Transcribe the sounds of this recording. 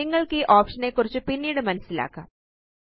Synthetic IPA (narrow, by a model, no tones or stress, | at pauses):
iŋːɐɭkiʔoːpʂɐneːkːurit͡ɕːɨpinːiːɽɨmɐnɐsila̰ːkːa